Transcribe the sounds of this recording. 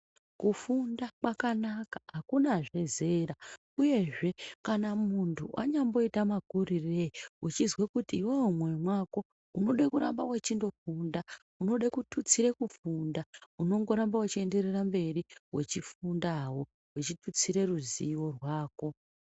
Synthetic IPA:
kufundakwakanakḁɦakunaʐe̞ze̞ɾa | uje̞ʐe̞kanamuntʰuʔa̰ɲambo̞itamakurireut͡ʃizwekutiːwewumwe̞mwako̞ | uno̞ɗakuɾambawet͡ʃindo̞funda | uno̞ɗakutʰut͡siɾekufundauno̞ŋɡo̞ɾambawat͡ʃie̞nde̞rerambe̞riwe̞̰t͡ʃifundawo̞ | wet͡ʃitut͡siɾe̞ruzḭwo̞rwaːko̞

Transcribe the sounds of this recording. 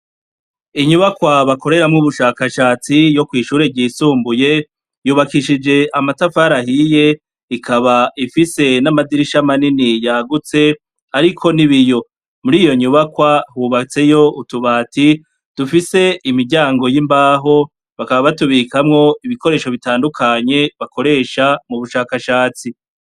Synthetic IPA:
iɲuβakwaβako̞ɾe̞ɾamŋuβuʃaːkaʃaːt͡sijo̞kwiːʃuːɾe̞ɟiːsuːmbuje̞ | juːβakiʃid͡ʒe̞ʔamatafaɾahije̞ | ikʰaβaʔifise̞namadiɾiʃamaninijaɡut͡se̞ | aɾikʰo̞niβijo̞ | muɾiːjo̞ɲuβakwahuːβat͡se̞jo̞utuβaːti | d̥ufise̞ʔimiɾɟaːŋɡo̞jimbaːɦo̞ | βakaβaβatuβikamŋo̞iβiko̞ɾe̞ːʃo̞βitaːndukʰaɲe̞βako̞ɾe̞ːʃamuβuʃaːkaʃaːt͡si

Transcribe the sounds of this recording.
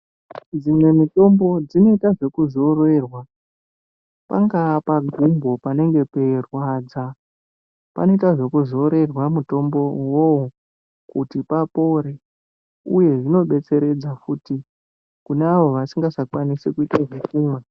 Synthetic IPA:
d͡zimwe̞mito̞mbo̞d͡zino̞itaʐe̞kuzo̞re̞rwa | pa̰ŋɡapaɡʱumbʱo̞pane̞ŋɡe̞pe̞rwaːd͡za | pa̰no̞itaʐe̞kuzo̞ɾe̞rwamuto̞mbo̞wowo | kutipapo̞ɾe̞ | uje̞ʐino̞ɓe̞t͡se̞ɾe̞d͡zafuti | kuneaʋo̞ʋasiŋɡasakwanisekuitaʐekuːmwa

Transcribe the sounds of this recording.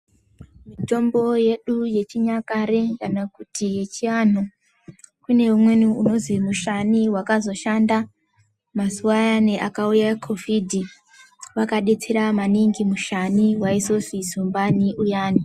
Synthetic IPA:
miito̞mbo̞je̞ɗuje̞t͡ʃiɲakaɾe̞kanakutʰijet͡ʃian̤o | kune̞umwe̞niuno̞zimuʃaniwakazo̞ʃanda | masuwajaneʔakaujakʰo̞vidʱi | ʋakaɗe̞t͡seɾamaniŋɡimuʃaniɦwaiso̞sizumbaniʔujaːni

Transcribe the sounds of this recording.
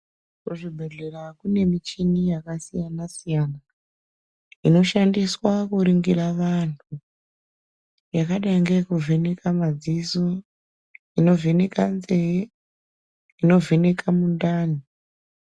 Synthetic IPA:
kuʐibʱe̞ɮe̞rakune̞mit͡ʃinijakasijanasijana | ino̞ʃandiswakuɾiŋɡiraʋantʰu | jakaɗaiŋɡekuvʱenekʰamad͡ziso | ino̞venekanzee | ino̞venekʰamundaːni

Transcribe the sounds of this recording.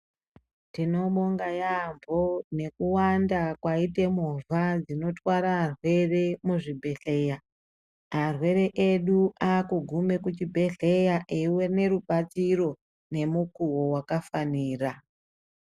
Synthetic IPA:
tino̞ɓo̞ŋɡajambʱo̞ne̞kuwandakwaite̞muvad͡zino̞twaɾarwe̞re̞muʐibʱe̞ɬe̞ja | arwe̞ɾe̞ʔeɗuakuɡʱume̞kut͡ʃibʱe̞ɬe̞jaʔewe̞ne̞ɾuɓat͡siro̞ | ne̞mukuwo̞wakafaniːra

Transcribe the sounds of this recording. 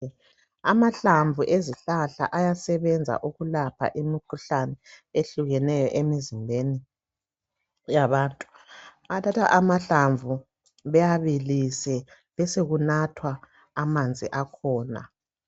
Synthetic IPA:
amaɬaɱvʱuʔeziɬaɬa̰ʔajasɛβɛnd͡zʱa̰ʔuɣulapʰa̰ʔimikʰuɬanɛeɬuɣɛnɛjɔ̰ʔemizimbʱeni | jaβaːntʼu̥ | atʰatʰa̰ʔamaɬaɱvʱu | βɛjaβilisɛ | βɛseɣunatʰwaː | mand͡zʱḭʔakʰɔːna̰

